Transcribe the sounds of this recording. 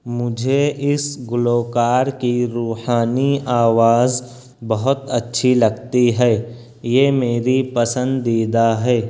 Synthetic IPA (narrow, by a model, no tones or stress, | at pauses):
mʊd͡ʒʱeʔɪsɡʊloːkaːɾkiɾuːhaːniaːʋaːz | bɐɦʊt̪ɐtːʃʰilɐɡt̪iɦɛː | jemeːɾipɐsə̃nd̪ːeːd̪aɦɛː